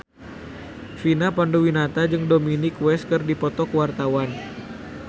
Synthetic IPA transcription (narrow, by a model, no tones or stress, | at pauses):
finapandowinat̪ad͡ʒɨŋdominikwɛskɨrdipɔt̪ɔkwart̪awan